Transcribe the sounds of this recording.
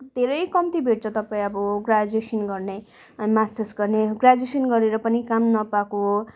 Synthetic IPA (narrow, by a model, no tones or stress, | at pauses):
d̪ʱeɾʌjkʌmt̪ibʱeʈ̚t͡sʰʌt̪ʌpãĩʌbʌɡrad͡zesʌnɡʌrne | mastʌsɡʌrneɡrad͡zesʌnɡʌɾeɾʌpʌnikamnʌpako